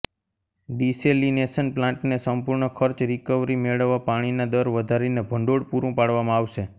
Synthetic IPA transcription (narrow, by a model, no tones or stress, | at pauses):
ɖiselinesənplãɳʈnesəmpuɾɳəkʰəɾt͡ʃɾikəʋɾimeɭəʋːapaɽ̃inad̪əɾʋəd̪ʱaɾinebʱəɳɖoɽpuɾũpaɽʋamãaʋʃe